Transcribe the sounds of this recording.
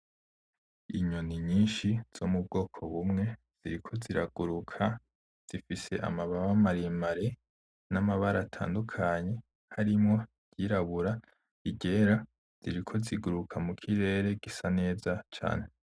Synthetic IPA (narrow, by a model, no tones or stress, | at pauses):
ḭɲoniɲiːnʃiz̥o̞mub̚ɡo̞ːkʰo̞βumŋe̞ | z̥iɾikʰo̞ziɾa̰ɡ̥uɾukʰa | z̥ifise̞̰ʔa̰maβaβamaɾimaɾe | namaβaɾaːtʰa̰ːndukʰaɲe̞ | haɾimŋo̞̥ | ɟiɾaβuɾa | iɟe̞ɾa | z̥iɾikʰo̞ziɡuɾukʰamukʰiɾe̞ɾe̞ɡ̥isane̞ːzat͡ʃa̰ːne̞